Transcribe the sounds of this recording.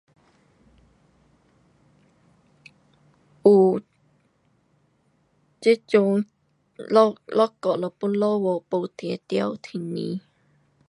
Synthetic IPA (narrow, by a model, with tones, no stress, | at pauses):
ʔu˨˩ | t͡ɕi˦˥t͡ɕu˧˦ŋ | llɔ˦˥kɔ˨lɔ˨pu˥nlɔ˥˨wɔ˨po˧˩t̪ɛ˨˦t̪ja˥˧˨wt̪ʰi˨˩nḭ˨˧˦